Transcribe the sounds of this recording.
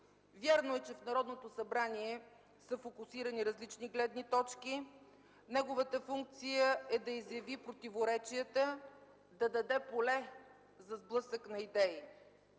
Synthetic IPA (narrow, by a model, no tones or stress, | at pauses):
vʲjaɾnoɛt͡ʃɛfnɐɾɔd̪not̪osɐbɾaniɛ | səfokʊsiɾəniɾɐzlit͡ʃniɡlɛd̪nit̪ɔt͡ʃki | nɛɡovət̪əfuŋk̚t̪sijəɛd̪ɐizjɐvipɾot̪ivoɾɛt͡ʃiət̪ə | d̪ɐd̪ɐd̪ɛpolɛ | zɐzblˠɤsəknɐid̪ɛi